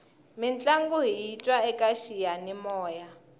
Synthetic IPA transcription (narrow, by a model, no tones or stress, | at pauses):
mint͡ɬʼaŋɡuɦiitʼwaɛkʼaʃijanimɔːja